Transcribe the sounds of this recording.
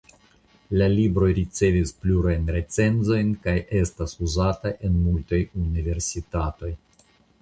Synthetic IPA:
lalibɾo̞jɾit͡se̞vispluɾajnɾe̞t͡se̞nzo̞jnkajʔe̞stasuzataʔe̞nmultajunive̞ɾsitato̞j

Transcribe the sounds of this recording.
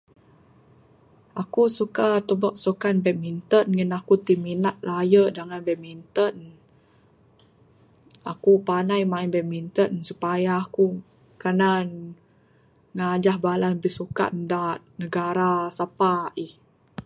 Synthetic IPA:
ʔakusukat̪əbɔʔ̚sukanbɛʔ̚mint̪ənŋənakut̪iminat̪̚lajədaŋanbɛʔ̚mint̪ən | a̰kupanajmainbɛʔ̚mint̪ənsupajaːku | kanan | ŋad͡ʒahbalanbisuka̰ʔdat̪nəɡaɾasapaih

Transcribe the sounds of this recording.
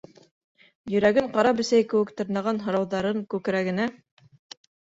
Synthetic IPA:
jɵ̆ɾæɡɘɴqɑɾɑpɵ̆sæjkɘ̆wɘ̆kt̪ɤ̆ɾnɑʁɑnɦŏɾɑwðɑɾɤŋkʉkɘ̆ɾæɡɘ̆næ

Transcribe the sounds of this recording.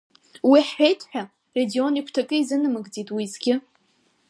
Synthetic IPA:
wiħːejtʰħʷᶣa | re̞dio̞nikʷʰtʰakʼɨizɨnɨmɨɡd͡zitʼwizɡʲɪ

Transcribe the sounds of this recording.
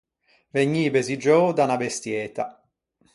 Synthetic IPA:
veɲːiːbezid͡ʒoːd̪anabest̪jɛːt̪a

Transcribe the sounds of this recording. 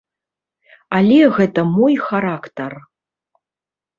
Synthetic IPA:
alʲɛɣɛt̪ɐmɔjxaɾakt̪ɐr

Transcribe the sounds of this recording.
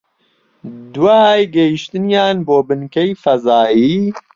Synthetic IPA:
d̪waajɡɐjiʃt̪ɨnjaːnboːbɨnkɛjfɐzaːjiː

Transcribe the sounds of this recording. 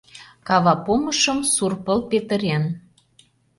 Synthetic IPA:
kɑβɑpoməʃəmsurpəlpet̪ə̆ɾen

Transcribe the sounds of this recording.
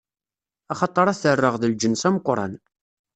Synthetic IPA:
ɑχɑt̪ˤːəɾˤæθərːəʁðəld͡ʒənsæməqɾˤɑ̰n

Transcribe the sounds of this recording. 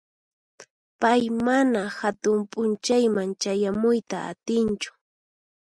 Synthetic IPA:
pajmanahat̪ʊmpʼʊnt͡ʃajmaŋt͡ʃajamʊjt̪aa̰t̪ɪnt͡ʃʊ̥

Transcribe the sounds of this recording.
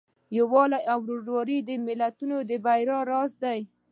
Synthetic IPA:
jawɑlajawɾoʒwɑɾid̪əmɪlat̪unod̪əbajɾɑɾɑzd̪aj

